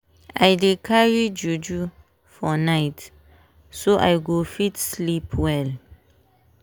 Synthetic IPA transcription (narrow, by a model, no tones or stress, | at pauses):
ʔajdekʰaɹid͡ʒud͡ʒu | fɔnajt | soʔa̰jɡofitslipʰwɛl